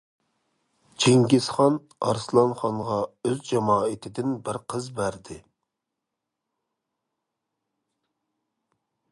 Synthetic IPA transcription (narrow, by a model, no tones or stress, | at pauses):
d͡ʒʰeŋɡʲɪsχɑn | ɑɾslˠɑnχɑnʁɑøzd͡ʒɑmɑːɪt̪ʰɪd̪ɪnbɪɾqʰəzbæɾd̪ɪ